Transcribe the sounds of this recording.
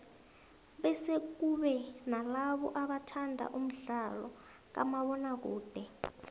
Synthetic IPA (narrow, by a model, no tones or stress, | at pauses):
ɓɛsek̬uɓɛnalaɓɔ̰ʔaɓatʰandʱa̰ʔum̩ɮalɔ̰ | k̬a̰maɓɔnak̬uːd̥ʱɛ